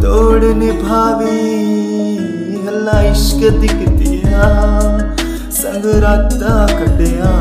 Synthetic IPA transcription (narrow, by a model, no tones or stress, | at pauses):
t̪oːɽnebʱaːʋi | ɦɐlːãːɪʃkəd̪ɪkt̪iɦã | sɐ̃ŋɡɾaːaːkɐɖeɦãː